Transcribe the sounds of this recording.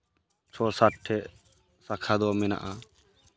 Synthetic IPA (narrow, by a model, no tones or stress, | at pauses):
t͡ʃʰɔsaʈʰːɛʔ | sakʰad̪ɔmɛna̰ʔa